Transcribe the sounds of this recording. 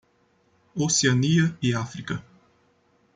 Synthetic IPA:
osianijəiafɾika

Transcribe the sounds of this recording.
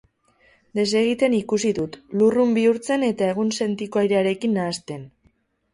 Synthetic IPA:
d̪e̞se̞ɣ̞it̪e̞nikusiðut̪lurumbiuɾt͡se̞ne̞t̪ae̞ɣ̞unse̞nt̪ikoajɾeaɾe̞kinːaːst̪e̞n

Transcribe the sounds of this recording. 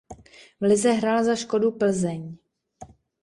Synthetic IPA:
vlɪzɛɦɾaːlzaʃko̞dupl̩zɛɲ

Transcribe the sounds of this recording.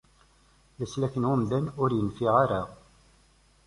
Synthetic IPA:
ləslæçənʊmd̪ænʊɾjənfiʁaɾa

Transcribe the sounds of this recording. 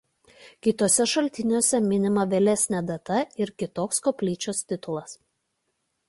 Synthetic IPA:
kʲɪt̪oːsʲɛʃɐlʲt̪ʲɪnʲuːsʲɛmʲɪnʲɪmɐʋʲɛlʲɛsʲnʲɛd̪ɐt̪ɐɪɾkʲɪt̪oːkskoːpʲlʲiːt͡ʃʲoːsʲt̪ʲɪt̪ʊlˠɐs

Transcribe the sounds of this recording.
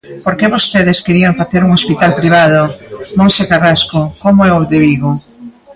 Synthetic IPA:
poɾkeβost̪eðɪskeɾiaŋfaθeɾuŋospit̪alpɾiβ̞aðomõnsekaraskokomoɛoðeβiɣo

